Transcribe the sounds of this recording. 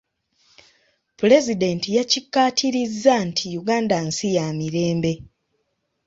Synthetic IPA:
pule̞zide̞ntijacikːaːtʰiɾizːantʰijuɡaːndansijamiɾe̞ːmbe̞

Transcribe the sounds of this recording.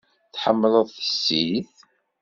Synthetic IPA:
θħəmːləðˤθə̥sːiθ

